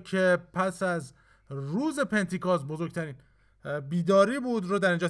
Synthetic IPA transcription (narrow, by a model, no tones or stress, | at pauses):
cʰe̞pʰæsæz | ɾuːze̞pʰe̞nt̪ʰiːkʰɔsbo̞zo̞ɾɡ̚t̪ʰæɾiːn | biːd̪ɒːɾiːbuːd̪roːd̪æɾind͡ʒɒː